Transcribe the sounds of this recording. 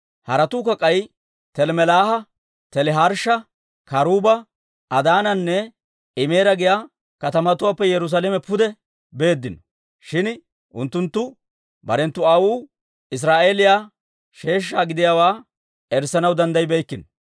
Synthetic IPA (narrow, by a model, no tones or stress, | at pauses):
hɐɾɐt̪uːkɐkʼɐj | t̪ɛlmɛlaːhɐ | t̪ɛlɛɦɐɾʃɐ | kɐɾuːbɐ | ʔːd̪aːnɐnːɛ | ɪmeːɾɐɡɪjaː | kɐt̪ɐmɐt̪ʊwaːpːɛjɛɾʊs̬aːlɛmɛpʊd̪ɛ | be̞ːd̪ːɪnɔ | ʃɪn | ʔʊ̰nt̪ːʊnt̪ːʊ | bɐ̰ɾɛnt̪ːʊaːwuː | ɪs̬ɾaːʔe̞ːlɪjaː | ʃe̞ːʃ̬ːaːɡɪd̪ɪjaːwaː | ɛɾsɐnɐwd̪ɐnd̪ɐjbɛjkːɪn